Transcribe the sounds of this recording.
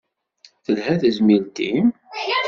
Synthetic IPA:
θəlhæθəzmilt̪im

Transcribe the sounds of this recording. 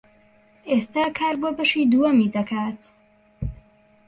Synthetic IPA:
ʔeːst̪aːkʰaːɾboːbɐʃiːd̪uːɐmiːd̪ɐkʰaːt̪

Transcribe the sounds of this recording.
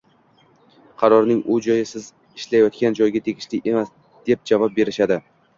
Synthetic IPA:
qʰɑɾɒɾnɪŋʊd͡ʒɒjɪsɪz | ɪʃlajɒt̪kʲand͡ʒɒjɡʲat̪ʰe̞ɡʲɪʃlɪʔe̞mas | d̪̥e̞p̚d͡ʒavɒp̚be̞ɾɪʃad̪ɪ

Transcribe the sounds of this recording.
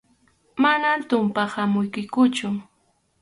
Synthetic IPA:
manamt̪ʊmpahamʊjkʊjkʊt͡ʃʊ

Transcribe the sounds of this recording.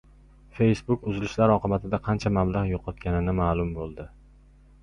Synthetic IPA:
fe̞jsbʊkʊzɪlɪʃlaɾɒqʰɨbat̪ʰɪd̪aqʰɑnt͡ʃʰamablˠaʁjoqʰɒt̪̚kʲanɪnɪmaːlˠʊmbolˠd̪ɪ

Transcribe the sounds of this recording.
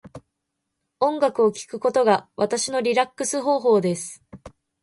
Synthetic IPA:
õ̞ŋɡakɯ̟o̞kʲi̥kɯ̟ko̞t̪o̞ɡaβat̪aɕino̞ɾʲiɾakːɯsɨɦo̞ːɦo̞ːd̪e̞sɨ̥

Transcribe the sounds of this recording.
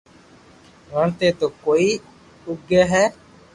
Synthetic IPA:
ʋəɳt̪eːt̪oːkoːiː | ʊɡəɦɛː

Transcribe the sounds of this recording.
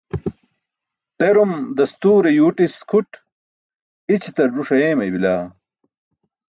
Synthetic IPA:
t̪eɾumd̪ɐst̪uːɾejuːʈiskʰuʈ | it͡ɕʰit̪ɐɖuʂɐjeːmɐjbilaː

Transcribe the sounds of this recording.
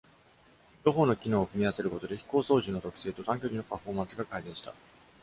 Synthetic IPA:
ɾo̞ɦo̞ːnokʲino̞ːkɯ̟mʲiase̞ɾɯ̟ko̞t̪o̞d̪e̞çi̥ko̞ːso̞ːʑɨno̞t̪o̞kɯ̥se̞ːt̪o̞t̪ãŋkʲoɾʲino̞paɸo̞ːmãɰsɨɡakaid̪ẽ̞ɰ̃ɕi̥t̪a̰

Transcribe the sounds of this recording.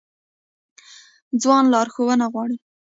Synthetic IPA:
d͡zwɑnlɑɾxowənaɣwɑɽi

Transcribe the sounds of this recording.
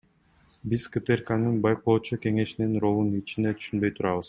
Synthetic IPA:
bizkɨt̪erkanɯnbɑjqoːt͡ʃuke̞ŋe̞ʃininɾo̞lˠunit͡ʃind̪e̞t̪ʰy̥ʃynbø̞jt̪ʰuɾɑβɯz̥

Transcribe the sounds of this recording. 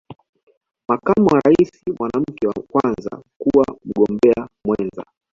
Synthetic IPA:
makamuwaɾaisimwanam̩kɛwakwanza̰kuwam̩ɠɔmbɛamwɛnza̰

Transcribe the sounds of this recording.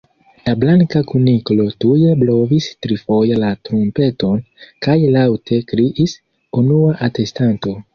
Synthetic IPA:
lablaŋkakuniklo̞tujeblo̞vistɾifo̞jelatɾompe̞to̞nkajlawtʰe̞kɾiʔis | unuaʔate̞stanto̞

